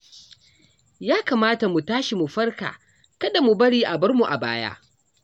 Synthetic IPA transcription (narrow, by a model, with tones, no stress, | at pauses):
jaː˦kaː˨maː˦ta˨mu˨taː˦ʃi˨mu˨ɸɐ˦rka̰ː˨ | kɐ˦da˨mu˨bɐ˦ɽiː˦ʔa˨bɐ˦rmu˨ʔa̰˨ba̰ː˦ja̰ː˦ʔ